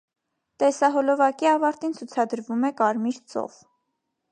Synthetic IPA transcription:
t̪ɛsɑɦɔlɔvɑkiɑvɑɾt̪int͡sʰut͡sʰɑd̪əɾvumɛkɑɾmiɾt͡sɔ̰v

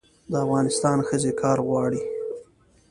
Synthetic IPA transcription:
d̪əafɣɑnɪst̪ɑnxəzekʰɑɾɣwɑɽi

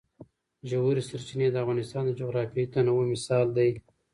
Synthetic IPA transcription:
ʒahuɾisaɾt͡ʃined̪əafɣɑnɪst̪ɑnd̪əd͡ʒʊɣɾɑfjjt̪anawomɪsɑld̪aj

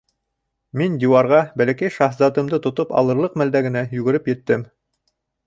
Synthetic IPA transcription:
mind̪ʲiwɑɾʁɑbælækæjʃɑhzɑt̪ɤ̆md̪ɤt̪ŏt̪opɑ̰lˠɤ̆ɾlˠɤqmæld̪æɡɘ̆næjʉɡɘ̆ɾɘpjɘ̆t̪ːɘm

